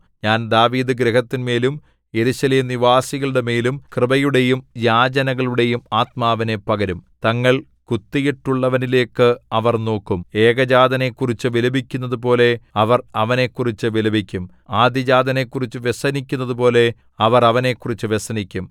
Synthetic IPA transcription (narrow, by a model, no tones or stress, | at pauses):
ɲaːnd̪aːʋiːd̪ɨɡɾeɦɐt̪ːinme̞ːlum | je̞ɾuɕɐleːmniʋaːsiɣɐɭuɽe̞me̞ːlumkrɨbɐjuɽe̞jumjaːd͡ʑɐnɐɣɐɭuɽe̞jumaːt̪maːʋɐnepːɐɣɐɾumt̪ɐŋːɐɭ | kut̪ːijiʈːuɭːɐʋɐnile̞ːkːɨɐʋɐrno̞ːkːume̞ːɡɐd͡ʑaːd̪ɐne̞kːurit͡ɕːɨʋilɐbʱikʲːunːɐðupo̞ːle̞ɐʋɐrɐʋɐne̞kːurit͡ɕːɨʋilɐbʱikʲːum | aːd̪jɐd͡ʑaːd̪ɐne̞kːurit͡ɕːɨʋesɐnikʲːunːɐðupo̞ːle̞ | ɐʋɐrɐʋɐne̞kːurit͡ɕːɨʋesɐnikʲːum